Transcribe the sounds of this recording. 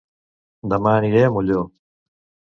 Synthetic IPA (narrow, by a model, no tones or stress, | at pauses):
d̪ɐmaːniɾeːmuloː